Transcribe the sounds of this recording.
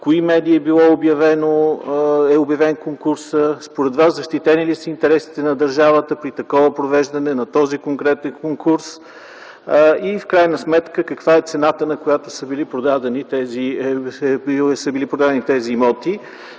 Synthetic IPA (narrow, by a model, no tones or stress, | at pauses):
koimɛd̪iːɛbilˠɔobjɐvɛno | ɛobjɐvɛnkoŋkuɾsəspoɾɛd̪vaszɐʃt̪it̪ɛnilisəint̪ɛɾɛsi̥t̪ɛnɐd̪ɐɾʒavət̪əpɾit̪ɐkɔvəpɾovɛʒd̪ɐnɛnɐt̪ɔzikoŋkɾɛt̪ɛnkoŋkuɾs | ifkɾajnəsmɛt̪kəkɐkvaɛt̪sɛnat̪ənɐkojat̪osəbilipɾod̪ad̪ɛnit̪ɛzi | səbilipɾod̪ad̪ɛnit̪ɛzimɔt̪i